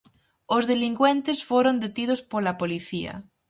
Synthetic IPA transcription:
ozðeliŋɡwẽnt̪esfoɾond̪et̪ið̞ospolapoliθia̰

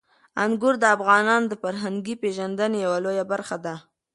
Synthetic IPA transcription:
aŋɡʊɾd̪əafɣɑnɑnd̪əfaɾɦaŋɡipeʒand̪ənejawalojabaɾxad̪a

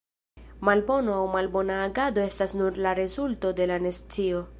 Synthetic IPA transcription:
malbo̞noawmalbo̞naːɡado̞e̞stasnuɾlaɾe̞zulto̞de̞lanest͡sio̞

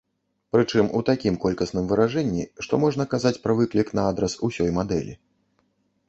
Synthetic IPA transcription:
pɾɨt͡ʂɨmut̪akʲimkɔlʲkɐsn̪ɨmvɨɾaʐɛnʲːiʂt̪ɔmɔʐnɐkazat͡sʲpɾɐvɨklʲiknɐad̪ɾɐsusʲɔjmad̪ɛ̰lʲḭ

